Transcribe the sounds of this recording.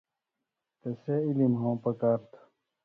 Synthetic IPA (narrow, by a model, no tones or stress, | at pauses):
t̪eseilimɦõːpɐkaːɾt̪ʰ